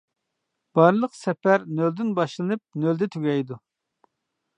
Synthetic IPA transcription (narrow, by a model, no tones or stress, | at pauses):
b̥ɑɾlˠəqsɛpæɾnøld̪ɪnbɑʃlˠɨnɨp̚nøld̪ɛt̪ʰyɡʲɛjd̪u